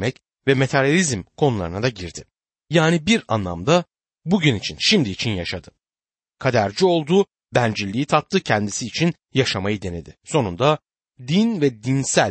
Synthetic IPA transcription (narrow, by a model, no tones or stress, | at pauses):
mɛc | vɛmet̪ʰaɾjalʲizmkʰo̞nulˠaɾɯnad̪aɟiɾd̪ɪ | jaːnibiɾa̰nlˠa̰md̪a | buɟynit͡ʃʰinʃimd̪iːt͡ʃʰinjaʃad̪ɯ | kʰad̪æɾd͡ʒio̞lˠd̪uː | bænd͡ʒilʲːiit̪ʰat̪lˠɯcʰɛnd̪isiːt͡ʃʰin | jaʃamajɯd̪e̞ne̞d̪ɪso̞nund̪a | d̪invɛd̪insælʲ